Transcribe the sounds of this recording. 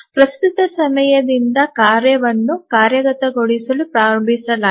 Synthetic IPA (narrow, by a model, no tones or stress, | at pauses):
pɾɐst̪ut̪ɐsɐmɐjɐd̪ind̪ɐkaːɾjɐʋɐnːukaːɾjɐɡɐt̪ɐɡoɽisɐlupɾaːɾɐmbʱisɐla